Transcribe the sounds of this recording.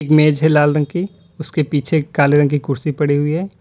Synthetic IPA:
eːkmeːd͡ʒɦɛlaːlɾə̃ŋɡki | ʊskepiːt͡ʃʰekaːleɾə̃ŋɡkikʊɾsipɐɽiɦʊiɦɛː

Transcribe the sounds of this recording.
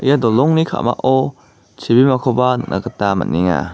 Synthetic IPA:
ijadɔlɔŋnikʰa̰ma̰ʔɔ | t͡ʃʰibimakʰɔbanɯ̰k̚nʔa̰katama̰nːiŋa̰

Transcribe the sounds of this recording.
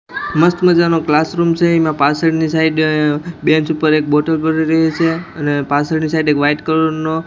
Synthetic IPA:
məst̪məd͡ʒanoklasɾumt͡ʃʰeimãpasəɽnisaiɖ̪bẽnsupəɾek̚boʈəlpəɾiɾəɦet͡ʃʰeənepasəɽnisaid̪ekʋajʈkəɾəo

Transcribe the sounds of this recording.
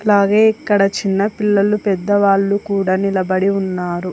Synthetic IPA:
ɐlaːɡe̞ːikːɐɽɐt͡ʃinːɐpilːɐlupɛd̪ːɐʋaːɭːukuːɽaːnilɐbɐɽiunːaːɾu

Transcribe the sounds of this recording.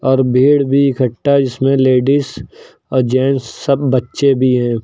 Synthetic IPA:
ɔːɾbʱeːɽbʱikʰəʈːad͡ʒɪsmẽleːɖiːs | ɔːɾd͡ʒɛːnsːəbːɐtːʃebʱiɦɛ̃ː

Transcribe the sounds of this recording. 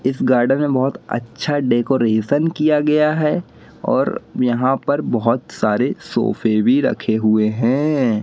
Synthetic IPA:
ɪsɡaːɾɖənmẽbɐɦʊt̪ɐ̰tːʃʰaɖeːkoːɾeːsənkijaɡɐjaɦɛ | ɔ̰ːɾjɐɦãpɐɾbɐɦʊt̪saːɾeso̰ːfʰebʱiɾɐ̰kʰeɦʊeɦɛ̃ː

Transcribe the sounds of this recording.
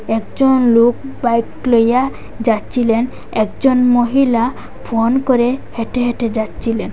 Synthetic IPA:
ɛkd͡ʒɔnlokbajkloja | d͡ʒatːt͡ʃʰilen | ɛkd͡ʒɔnmoɦila | pʰonkɔɾeheʈeɦeʈed͡ʒatːt͡ʃʰilen

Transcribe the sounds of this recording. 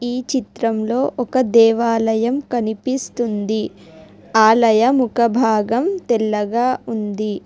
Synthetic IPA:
iːt͡ʃit̪ɾɐmlo̞ːʔɔkɐd̪ɛːʋaːlɐjɐmkɐnipist̪und̪i | aːlɐjɐmukɐbʱaːɡɐmt̪ɛlːɐɡaːund̪i

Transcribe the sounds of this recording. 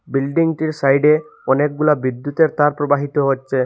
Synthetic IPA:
bilɖiŋʈiɾsajɖe | ɔnek̚ɡulabid̪jut̪eɾt̪aɾpɾɔbaɦit̪ɔɦotːʃʰe

